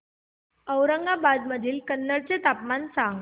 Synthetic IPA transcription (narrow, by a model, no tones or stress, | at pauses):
əwɾəŋɡabad͡z̪məd̪ʱiːlkənːəɽt͡set̪apmansãŋɡ